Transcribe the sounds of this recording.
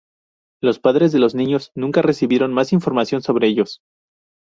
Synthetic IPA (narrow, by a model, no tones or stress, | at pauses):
lo̞spaðɾe̞zðe̞lo̞znĩɲo̞znũŋkare̞siβje̞ɾo̞nmasiɱfo̞ɾmasjo̞nso̞β̞ɾeeʝo̞s